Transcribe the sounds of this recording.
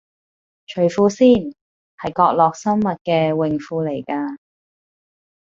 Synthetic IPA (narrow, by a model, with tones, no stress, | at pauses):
t͡ʃʰɵ˨˩ɥfuː˧siː˥˩n | hɐ˨jkɔː˧k̚lɔː˨k̚sɐ˥mmɐ˨t̚kɛː˧wɪ˨˩ŋfuː˧le˨˩jkaː˧